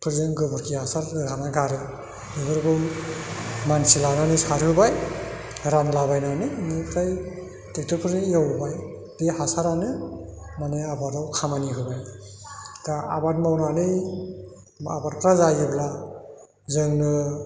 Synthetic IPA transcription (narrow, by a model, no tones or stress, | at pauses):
pʰɯɾzɯŋɡɯbɯɾkʰiasaɾɡɯɡʰanajɡaɾɯ | ɯbɯɾɡɯw | mansilananɯsaɾhɯbaj | ɾanɯlabajnanɯnɯpʰɾaj | tek̚tɯpʰɯɾnɯijawbaj | dehasaɾanɯmaneabatawkʰamaniɦɯbaj | daabat̚mawnanɯj | ma̰bat̚pʰɾazajibla | zɯŋnɯ